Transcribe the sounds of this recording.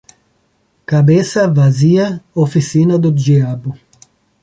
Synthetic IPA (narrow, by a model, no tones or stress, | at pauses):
kabesɐvazijaofisinad̪od͡ʒiabu